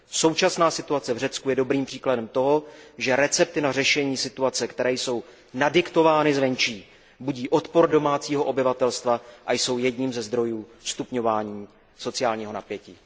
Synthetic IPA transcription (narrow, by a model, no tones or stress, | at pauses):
so̞wt͡ʃasnaːsɪt̪uat͡sɛvrɛt͡skujɛdo̞bɾiːmpr̥iːkladɛmt̪o̞ɦo̞ʒɛɾɛt͡sɛp̚t̪ɪnarɛʃɛɲiːsɪt̪uat͡sɛkt̪ɛɾɛːjso̞w | nadɪkt̪o̞vaːnɪzvɛɲt͡ʃiː | buɟiːʔo̞t̪po̞ɾdo̞maːt͡siːɦo̞ʔo̞bɪvat̪ɛlst̪vaʔajso̞wjɛdɲiːmzɛzd̪ɾo̞juːst̪upɲo̞vaːɲiː | so̞t͡sɪaːlɲiːɦo̞napjɛciː